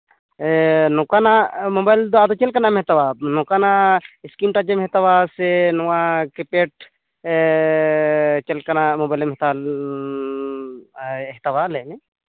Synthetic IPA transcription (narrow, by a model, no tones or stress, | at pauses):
nɔkanamɔbajld̪ɔad̪ɔt͡ʃɛlkanamɦɛt̪awanɔkanaskimʈad͡ʒɛmɦɛt̪awasɛnɔwakipeʈ̚ | t͡ʃɛlkanamɔbajlmɛɦɛt̪a | ɦɛt̪awalɛnɛ